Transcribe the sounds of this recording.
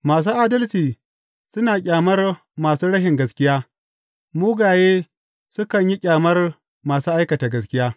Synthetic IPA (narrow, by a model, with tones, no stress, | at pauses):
maː˨s̬uː˦ʔa˦dɐ˦lt͡ʃiː˨ | sʊ˦naː˨kʲʼaː˨mɐ˦r | maː˨suː˦ɽɐ˦ʃɪ˨ŋɡɐ˨skʲɪ˦jaː˦ | muː˦ɡaː˨jeː˦ | sʊ˦kɐ˨ɲji˦kʲʼaː˨mɐ˦r | maː˨suː˦ʔa˦jkɐ˨taː˨ɡɐ˨skʲɪ˦jaː˦